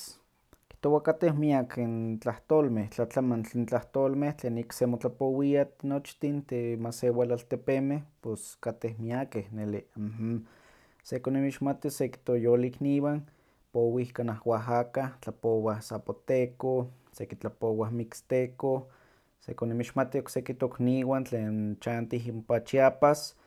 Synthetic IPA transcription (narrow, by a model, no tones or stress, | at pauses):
ki̥ht̪owakat̪ehmiakint͡ɬaht̪oːlmeht͡ɬat͡ɬamant͡ɬint͡ɬaht̪oːlmeht͡ɬeːniksemot͡ɬapowiat̪not͡ʃt̪int̪emasewalalt̪epemehposkat̪ehmiakehnelih | sekonimiʃmat̪iseki̥t̪ojolikniːwan | powihkanahwaɦakaht͡ɬapowahsapot̪eko | sekit͡ɬapowahmikst̪eko | sḛkonimiʃmat̪ioksekit̪okniwant͡ɬeːnt͡ʃant̪iɦimpat͡ʃiapas